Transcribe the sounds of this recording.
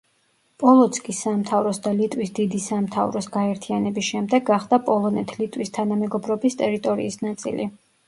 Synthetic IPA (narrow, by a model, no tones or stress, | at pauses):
pʼɔlˠɔt̪sʰkʼisːamt̪ʰavɾɔsd̪alit̪ʼwisd̪id̪isamt̪ʰavɾɔsɡaɛɾt̪ʰianɛbisʃɛmd̪ɛɡːaχd̪̥apʼɔlˠɔnɛt̪ʰlit̪ʼwist̪ʰanamɛɡɔbɾɔbist̪ʼɛɾit̪ʼɔɾḭːsnat̪sʼḭli